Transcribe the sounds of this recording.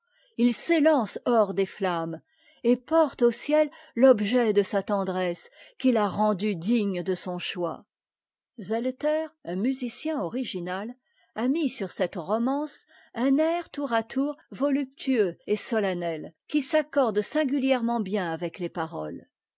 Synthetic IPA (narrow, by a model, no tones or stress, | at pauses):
ilselɑ̃sɔʁd̪eflam | epɔʁt̪osjɛl | lɔbʒɛd̪əsat̪ɑ̃d̪ʁɛskʲilaʁɑ̃d̪yd̪iɲd̪əsɔ̃ʃwa̰ | zɛlt̪ɛʁɛ̃myzisjɛ̃ɔʁiʒinal | amisyʁsɛt̪ʁɔmɑ̃s | ɛ̃nɛʁt̪uʁat̪ʰuʁvɔlyp̚t̪ʰyøesɔlanɛlkʲisakɔʁd̪sɛ̃ɡʲyljɛʁmɑ̃bjɛ̃avɛklepaʁɔl